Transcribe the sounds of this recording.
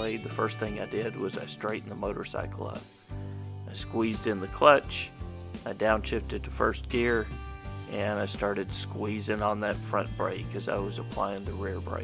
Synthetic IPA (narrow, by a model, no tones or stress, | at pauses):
eɪðɨfɜ˞st̪̚θɪ̃ŋa̰ɪdɪd̚wʌzaɪstɹ̥eɪʔn̩ðəmoʊɾə̰˞sa̰ɪkl̩ˠʌ̰̃n | aɪskwizdɨ̃nðɨkʰl̥ʌt͡ʃaɪdãʊ̃nʃɪftɨd̪̚ðɨfɜ˞sɡ̥ɪɹʔɨ̃naɪstɑɹɾɨd̥skwizɪ̃ŋə̃nðɨtfɹʌ̰̃nb̥ɹḛɪkʰːʌza̰ɪwʌzəpʰl̥aɪɪ̃ŋðɨɹɪɹbɹḛɪ